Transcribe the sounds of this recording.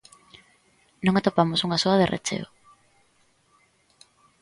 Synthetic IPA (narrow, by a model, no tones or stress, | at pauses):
nõŋat̪opamosuŋasoaðḛrʔḛt͡ʃḛo̰